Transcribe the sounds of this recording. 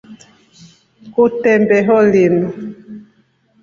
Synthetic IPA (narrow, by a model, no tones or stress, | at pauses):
kutɛmbɛɦɔlin